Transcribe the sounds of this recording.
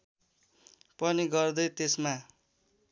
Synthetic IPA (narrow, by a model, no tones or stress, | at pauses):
pʌniɡʌrd̪ʌjt̪esma